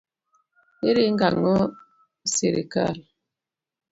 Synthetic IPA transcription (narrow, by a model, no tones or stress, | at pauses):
eɾeŋ̩ɡa̰ŋɔ | seɾḛka̰l